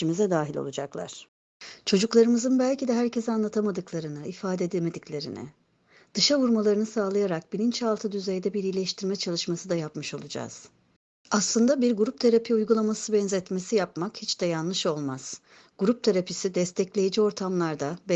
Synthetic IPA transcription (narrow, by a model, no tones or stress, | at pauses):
imizɛd̪aːɦilʲo̰lˠud͡ʒaklˠa̰ɾ̥ | t͡ʃʰo̞d͡ʒuklˠaɾɯmɯzɯnbælʲcid̪ɛɦæɾcʰɛzanlˠat̪ʰamad̪ɯklˠaɾɯnɯifaːd̪ed̪ilʲme̞d̪iclʲe̞ɾḭnɪ̰ | d̪̥ɯʃavuɾmalˠaɾɯnɯsaːlˠajaɾak̚bilʲint͡ʃʰalˠt̪ʰɯd̪yzejd̪ɛbiɾijlʲɛʃt̪ʰiɾmɛt͡ʃʰalˠɯʃmasɯd̪ajapmɯʃo̞lˠud͡ʒa̰z̥ | aslˠɯnd̪abiɾɡuɾup̚t̪ʰaɾapʰiujɡulˠamasɯbɛnzɛt̪me̞sijapmakhit͡ʃd̪ɛjanlˠɯʃo̞lˠmaz̥ | ɡ̥uɾup̚t̪ʰaɾapisid̪ɛst̪ʰɛclʲe̞jid͡ʒio̞ɾt̪ʰamlˠaɾd̪ab